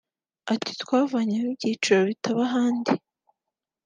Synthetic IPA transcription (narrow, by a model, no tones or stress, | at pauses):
ati̥tkwaːvaɲamib̚ɟiːt͡ʃiɾoβitʰaβaɦaːndi